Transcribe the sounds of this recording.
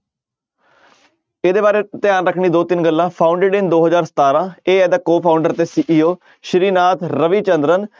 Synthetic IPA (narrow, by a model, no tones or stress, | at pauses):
ed̪eːbaːɾeːt̪ɪjaːnɾəkʰːɳiːd̪oːt̪ɪnɡəlːãːpʰaːʊɳɖeːɖɪnd̪oːɦəzaːɾsə̥t̪aːɾãːeːɛːd̪əkoːpʰaːʊɳɖəɾt̪eːsiːʔiːoː | ʃəɾiːnaːt̪ɾəʋiːt͡ʃənd̪ɾən